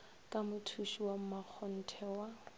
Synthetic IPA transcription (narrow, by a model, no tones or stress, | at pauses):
kʼamʊtʰuʃiwam̩mak͡xʰɔn̩tʰɛwa